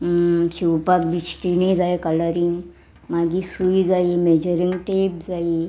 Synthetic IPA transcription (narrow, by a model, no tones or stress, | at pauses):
ɕiwpakbit͡ɕʈinid͡zaekələɾiŋɡ | maɡisuːjd͡zaimed͡ʑəɾiŋɡʈep̚d͡zai